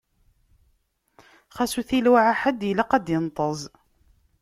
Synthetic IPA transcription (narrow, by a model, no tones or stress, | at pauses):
χæsuθilwaʕaħad̪jlaqæd̪jənt̪ˤəzˤ